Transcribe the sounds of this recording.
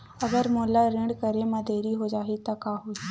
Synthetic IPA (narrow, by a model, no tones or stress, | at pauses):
ɐɡəɾmoːlaɾɪ̃ɳɖkəɾemɐd̪ʱeːɾiɦod͡ʒaːɦit̪akaːɦoi